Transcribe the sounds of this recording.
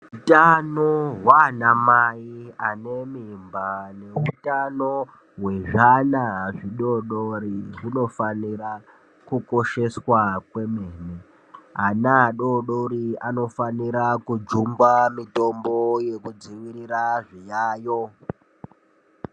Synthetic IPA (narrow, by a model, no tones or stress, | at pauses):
utanoɦwanamaiane̞mimbane̞utano | we̞ʐanaʐiɗo̞ɗoɾiʐino̞faniɾa | kuko̞ʃe̞swakwe̞me̞ne | ɦanaɗo̞ɗoɾiano̞faniɾakud͡ʒumbamito̞mbojekud͡ziʋiɾiɾaʐijaːjo̞